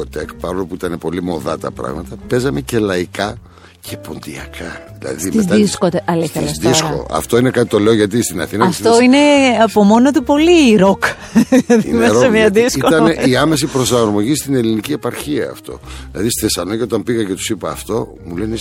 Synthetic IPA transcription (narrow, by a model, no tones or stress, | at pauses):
ot̪ekpɐɾolopuit̪ɐne̞po̞limo̞ðɐt̪ɐ̰pɾɐ̰ɣmɐt̪ɐpe̞zɐme̞ce̞lɐikɐ | cʰe̞po̞nd̪iɐ̰kʰɐðilɐ̰ðiezɐiskot̪eɐliɐlsðisko̰ɐ̰ft̪o̞inekɐt̪i̥t̪o̞le̞oʝɐt̪̬ist̪inɐ̰θinɐtɐisft̪oine̞ɐpomo̞not̪upo̞liɾok | lɐðinmeɾomɲɐðisikot̪ɐneiɐme̞s̬ipɾo̞sɐɾmo̞ʝist̪ine̞linicie̞pɐɾçiɐ̰ːft̪o̞̰ilɐðist̪θesɐnocio̞t̪ɐmpiɣɐce̞t̪u̥sipɐːft̪o̞ | mule̞ne